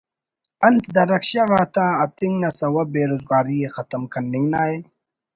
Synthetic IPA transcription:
ɐnt̪d̪ɐɾɐkɕaʋaːt̪ãːɐt̪ĩŋnɐsɐwɐbeːɾozɡaːɾijexɐt̪ɐmkʰɐnːiŋɡnaːje

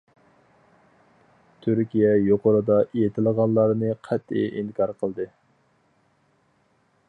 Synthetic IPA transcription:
t̪ʰyɾkʲijɛjoqəɾɨd̪ɑʔejet̪ʰɪlˠəʁɑnlˠːɑɾnɨqʰɛt̪ʰːɪ̰ʔinkʰɑɾqʰəlˠd̪ɨ

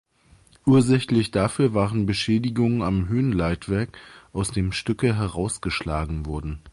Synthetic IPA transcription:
ʔuːɐzɛçlɪçd̥afyːɐvaːʁənbəʃɛːdɪɡʊŋənamɦøːnlaɪtv̥ɛɐkʔaʊsd̥eːmʃtʏkəɦɛʁaʊsɡ̥əʃlaːɡŋ̩vɔɐdn̩

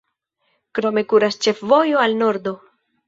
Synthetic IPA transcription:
kɾo̞me̞kuɾast͡ʃe̞fvo̞jo̞alno̞ɾdo̞

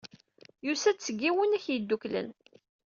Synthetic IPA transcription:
jusæt͡sːəɡːiwənæçjid̪ːuklə̰n

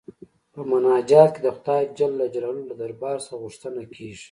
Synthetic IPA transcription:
pəmʊnɑːd͡ʒɑːt̪̚ked̪əxʊd̪ɑjd͡ʒalːad͡ʒlawlolad̪aɾbɑːɾsɣuʂt̪ənakʰeʐi̥

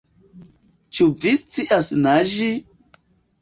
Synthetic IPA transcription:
t͡ʃuvist͡siʔasnaʒi

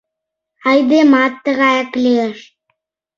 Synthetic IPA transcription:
ɑjd̪emɑt̪ːəɣɑæklʲeeʃ

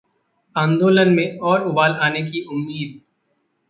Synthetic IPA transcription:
ãːnd̪oːlənmẽɔːɾʊbaːlaːnek̬iʔʊmːiːd̪̚

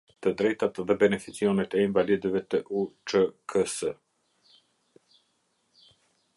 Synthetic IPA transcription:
t̪əd̪ɾɛjt̪at̪ðɛbɛnɛfit͡siɔnɛt̪ɛinvalid̪əvɛt̪əʔut͡ʃəkʰəsə

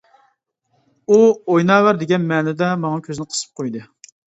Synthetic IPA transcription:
uojnɑːwæɾd̪ɪɡʲɛnmɛːnɛd̪ɛmɑŋɑkʲʰøzɪnɪqʰə̥sɨ̥p̚qʰojd̪ɨ

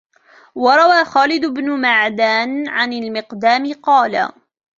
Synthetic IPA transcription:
wɑɾˤɑwaːxaːlɪd̪ʊbnʊmaʕd̪aːnʕanalmɪqd̪aːmɪqɑːla̰

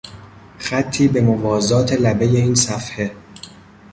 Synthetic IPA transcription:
xæt̪ʰːiːbe̞movɒːzɒːt̪ʰelæbeje̞iːnsæfhe̞

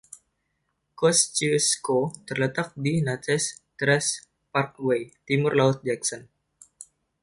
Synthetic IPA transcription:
kɔst͡ʃiskot̪ərlət̪ak̚dinat̪ɛst̪ɾɛs | park̚wejt̪imʊrlaʊt̪̚d͡ʒɛksɔn

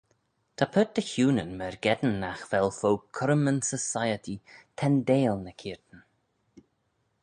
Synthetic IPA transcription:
t̪ʰapʰət̪̚d̪əçuːnənmɛɹɡɛd̪ən̩ːaxv̥ɛlˠfoːkʰɔɾmənsəsajət̪ʰit̪ʰɛnd̪eːlˠnəkʰiːɹt̪ən̩

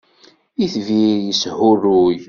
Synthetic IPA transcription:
iθvijəshʊrːuj

